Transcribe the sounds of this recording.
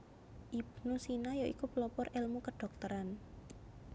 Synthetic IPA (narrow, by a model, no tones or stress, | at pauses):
ʔib̥nusinajaʔikupəlɔpɔrʔɛlmukəɖ̥ɔ̤k̚t̪əɾan